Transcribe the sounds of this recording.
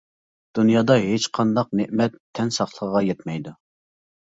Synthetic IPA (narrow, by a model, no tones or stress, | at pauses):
d̪̥unjɑːd̪ɑɦet͡ʃqʰɑnd̪ɑqneʔmɛt̪ʰːɛnsɑχlˠəʁʁɑjɛt̪mɛjd̪u